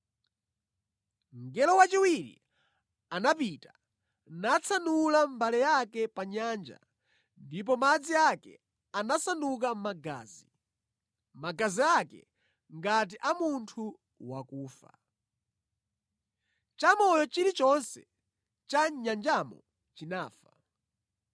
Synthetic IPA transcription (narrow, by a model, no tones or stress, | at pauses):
ŋɡɛlɔwat͡ʃiwiɾḭ | anap̬ita | nat͡sʰanulambalɛjakɛpaɲaːnd͡ʒa̰ | ndip̬ɔmad͡ziakɛ̰ | anasanukamaɡa̰ːzi | maɡaziakɛ̰ | ŋɡat̬iʔamuntʰu | wakuːfa̰ | t͡ʃamɔjɔt͡ʃiɾit͡ʃɔnsɛ | t͡ʃaɲand͡ʒamɔ̰ | t͡ʃinaːfa